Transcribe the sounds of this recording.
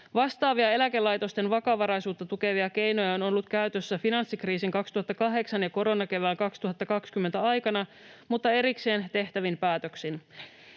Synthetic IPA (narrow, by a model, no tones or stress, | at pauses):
ʋɑst̪ɑːʋiɑe̞læke̞lːɑjt̪o̞st̪e̞nʋɑkɑʋɑɾɑjsuːt̪ːɑt̪uke̞ʋiɑk̟e̞jno̞jɑono̞lːut̪kæyt̪øsːæfinɑnsːikriːsiŋkɑkst̪uhɑt̪ːɑkɑɦe̞ksɑnjɑko̞ɾo̞nɑke̞ʋæːlkɑkst̪uɦɑt̪ːɑkɑkskymːent̪æɑjkɑnɑ | mut̪ːɑe̞ɾikse̞ːnt̪e̞ht̪æʋimpæːt̪øksin